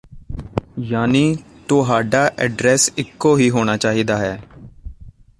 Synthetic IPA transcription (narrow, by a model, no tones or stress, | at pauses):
jaːniː | t̪oɦaːɖaːʔɛːɖɾɛːsɪkːoːɦiːɦoːñaːt͡ʃaːɦiːd̪aːɦɛː